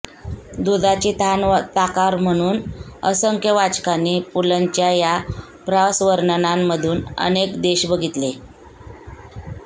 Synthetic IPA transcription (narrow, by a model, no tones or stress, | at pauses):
d̪ud̪at͡ɕit̪ant̪akaɾm̤əɽ̃uːnəsəŋkjəʋat͡skanːiːpuləɲt͡ɕjaja | pɾasʋəɾnənamːəd̪ʱuːnə̰nekd̪eɕbəɡʱit̪le